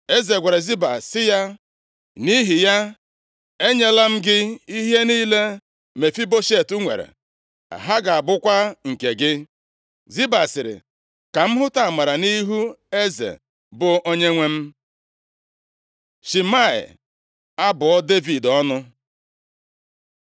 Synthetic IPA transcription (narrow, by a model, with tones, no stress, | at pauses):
e˦ze˨ɡʷe˨ɾe˨zi˦ba˨sɪ˦ja˦ | ni˦ɦi˨ja˦ | e˦ɲe˦la˦m̩˦ɡɪ˦i˦ɦe˦niː˦le˦ | me˨fi˦bo˦ʃe˦˨tu˦ŋʷḛ˨ɾḛ˨ | a̰˨ɦa˦ɡa˨a˨bʊ˦kʷa˦ŋ̩˨ke˨ɡɪ˦ | zi˦ba˨sɪ˨ɾɪ̰˨ | ka˨m̩˦ɦʊ˦ta˨a˨ma˨ɾa˨ni˦ɦu˦e˦zḛ˨ | bʊ˨ʔo˦ɲe˦ŋʷe˦m̩˦ | ʃi˨ma˦˨ɪ̰˨ | a˦bʊ˨ɔ˦de˦vi˨dɔ˦nʊ˦